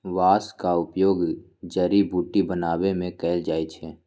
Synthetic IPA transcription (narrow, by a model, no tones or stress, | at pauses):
ʋaːskaʊpjoːɡ | d͡ʒəɾibʱuːʈibənaːwemẽkɛːld͡ʒaːit͡ʃʰɛː